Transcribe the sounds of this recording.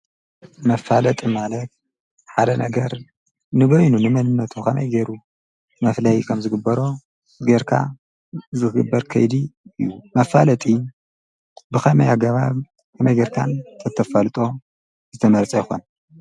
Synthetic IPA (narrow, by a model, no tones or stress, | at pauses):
mɐfalɐt̪ʼimalɐt̪̚ | ħad̪ɐnɐ̰ɡɐɾ | nɨbojnunɨmɐnɨnːɐt̪ʰukʰɐmɐ̰jɡeɾu | mɐflɐjkʰɐmzɨɡɨbːɐɾo̞ | ɡeɾkʰa̰ | zɨkɨɡɨbːɐɾkʰɐ̰jd̪iɨjːumɐfalɐt̪ʼi | bɨxɐmɐjaɡɐβaβ | kʰɐmɐjɡeɾkʰa̰nt̪ʰɐt̪ʰːɐfɐlɨt̪ʼo̞ | zɨt̪ʰɐmɐɾt͡sʼɐjxo̰n